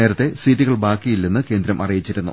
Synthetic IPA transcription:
e̞ːɾɐt̪ːe̞siːtːiɣɐɭbaːkːijilːenːɨke̞ːnd̪ɾɐmʔɐ̰rijit͡ɕːiɾunːṵ

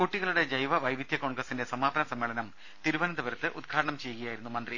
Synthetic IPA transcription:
kuʈːiɣɐɭuɽe̞d͡ʑɐjʋɐʋɐjʋid̪ʱjɐko̞ːɳɡrɐsːinde̞sɐmaːbɐnɐsɐmːeːɭɐnɐm | t̪iɾuʋɐnɐd̪ɐʋɐɾɐt̪ːɨʔud̪ɡʰʱaːɾɐɳɐmt͡ɕe̞jːuɣɐjaːjiɾunːumɐnd̪ri

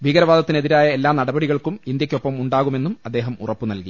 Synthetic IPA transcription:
bʱiːɣɐɾɐʋaːd̪ɐt̪ːine̞ðiɾaːjɐe̞lːaːmnɐɽɐbɐɽiɣɐɭkumind̪jɐkʲːo̞pːɐmuɳɖaːɣumenːumɐd̪ːe̞ːɦɐmṵrɐpːunɐlki

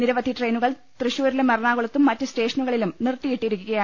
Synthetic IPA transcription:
niɾɐʋɐd̪ʱiʈrejnuɣɐɭ | t̪rɨɕuːɐɾilemɐrɳaːɣuɭɐt̪ːumːɐtːɨste̞ːʂɐnuɣɐɭilumnirt̪ːijiʈːijɾukʲːuɣɐja

